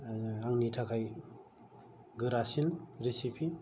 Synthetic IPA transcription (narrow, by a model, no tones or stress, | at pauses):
aŋnitʰakʰaj | ɡɯɾasinɾisipʰi